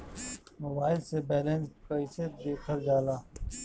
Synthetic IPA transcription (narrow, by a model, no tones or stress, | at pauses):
mobaːɪlsebɛːlẽnskəɪsed̪eːkʰəɾd͡ʒaːlaː